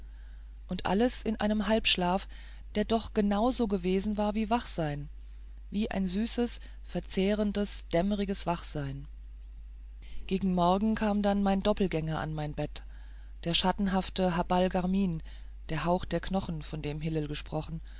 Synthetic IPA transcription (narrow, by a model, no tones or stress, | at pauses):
ʔʊntʔa̰ləsɪnʔaɪnəmɦalpʃlaːf | d̥eːɐdɔχɡ̥ənaʊzoːɡəveːzn̩vaːɐviːvaχz̥aɪn | viːʔa̰ɪnzyːsəs | fɛɐt͡seːʁ̞əndəsd̥ɛməʁɪɡəsv̥aχz̥aɪn | ɡ̥eːɡŋ̩mɔɐɡŋ̩kʰaːmdanmaɪndɔpl̩ɡɛŋɐʔa̰nmaɪnbɛt | d̥eːɐʃatn̩ɦaftəɦabalɡaɐmiːn | d̥eːɐɦaʊxd̥eːɐknɔχn̩fɔndeːmɦɪləlɡəʃpʁ̥ɔχn̩